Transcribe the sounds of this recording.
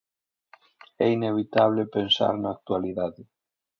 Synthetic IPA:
ɛineβ̞it̪aβ̞lepensa̰ɾnaːk̚t̪ualiðaðɪ

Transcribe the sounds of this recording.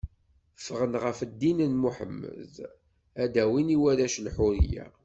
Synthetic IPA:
fəʁənʁəfəd̪ːinənmuħə̰mːə̰ð | æd̪æwiniwæɾæʃlħʊɾḭjæ̰

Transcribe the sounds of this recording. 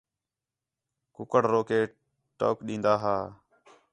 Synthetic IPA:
kʊkəɽɾoːkeː | ʈo̰ːkɗĩːnd̪aːɦaː

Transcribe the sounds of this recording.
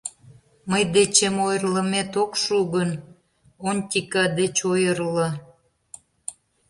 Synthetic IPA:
məjd̪et͡ɕemojrləmet̪okʃuɣən | onʲt̪ʲikɑd̪et͡ɕojərlə̆

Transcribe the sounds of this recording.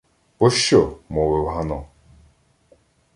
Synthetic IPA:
pɔʃt͡ʃːɔmɔʋɪwɦanɔ

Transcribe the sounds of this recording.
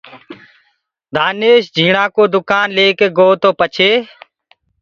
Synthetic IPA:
d̪ʱaːneːʃd͡ʒʱiːɳãːkoːd̪ʊkaːnleːkeːɡoːt̪oːpət͡ʃʰeː

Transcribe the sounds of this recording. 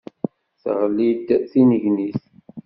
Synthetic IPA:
θʁlːid̪θinəʝniθ

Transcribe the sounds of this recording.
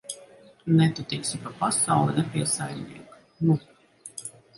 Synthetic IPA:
nɛt̪ut̪ɛksʲipapasawlˠɛnɛpʲiɛsajɾʲnʲḭɛk | nu

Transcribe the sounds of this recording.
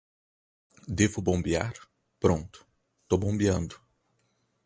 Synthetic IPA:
d̪evʊbõmbia̰ɾ | pɾõnt̪ʊ̥ | t̪obõmbiɐ̃nd̪ʊ

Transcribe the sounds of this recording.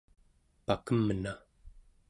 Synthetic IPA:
pakəməna

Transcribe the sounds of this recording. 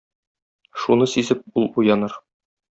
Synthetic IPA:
ʃunɤsizɘp̚ulˠujɑnɤɾ

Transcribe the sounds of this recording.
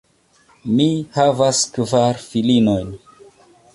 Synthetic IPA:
mihavaskvaɾfilino̞jn

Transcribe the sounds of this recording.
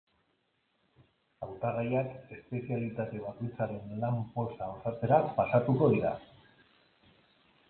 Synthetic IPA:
awt̪aɣajake̞spe̞sialit̪at̪e̞β̞ako̞jt͡saɾe̞nlampo̞saosat͡se̞ɾapasat̪uko̞ðiɾa̰

